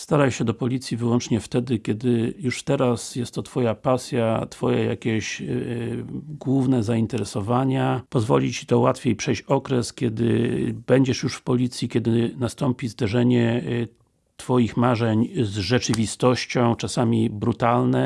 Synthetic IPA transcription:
st̪aɾajɕɛd̪ɔpɔlʲit̪sʲjivɘwɔnt͡ʂɲɛft̪ɛd̪ɘkʲɛd̪ɘjuʂt̪ɛɾasjɛst̪ːɔt̪fɔjapasʲjat̪fɔjɛ̰ja̰kʲeɛɕ | ɡwuvnɛzaint̪ɛɾɛsɔvaɲapɔzvɔ̰lʲit͡ɕi̥t̪ɔwat̪fʲjejpʂɛjt͡ɕɔkɾɛskʲjɛd̪ɘ̰bɛɲd͡ʑɛʂjuʂfpɔlʲit̪sʲjikʲɛd̪ɘnast̪ɔmpʲizd̪ɛʐɛɲɛ | t̪fɔjixmaʐɛɲzʐɛt͡ʂɘvʲist̪ɔɕt͡ɕɔ̃w̃t͡ʂasamʲibɾut̪alnɛ

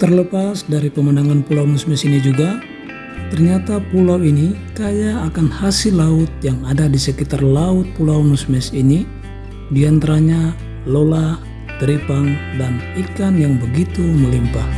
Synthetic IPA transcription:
t̪ərləpasdaɾipəmənaŋanpulawmusmɛsinid͡ʒuɡa | t̪ərɲat̪apulawinikajaːkanhasilaʊt̪̚jaŋadadisəkit̪arlaʊt̪̚pulawmusmɛsini | diant̪aɾaɲa | lola | t̪əɾipaŋdanikanjaŋbəɡit̪uməlimpah

